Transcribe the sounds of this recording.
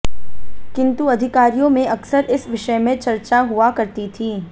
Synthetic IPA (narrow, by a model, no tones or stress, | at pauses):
kɪ̃nt̪uɐd̪ʱɪkaːɾijõmẽʔɐksəɾɪsʋɪʃəmẽt͡ʃɐɾt͡ʃaɦʊakɐɾt̪it̪ʰiː